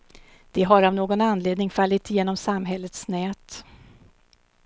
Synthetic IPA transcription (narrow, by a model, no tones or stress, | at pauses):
d̪̥ɛɦaɾavnoːɡɔnanːleːd̪nɪŋfalːɪt̪ɪjeːnɔmsamɦɛlːət̪snɛːt̪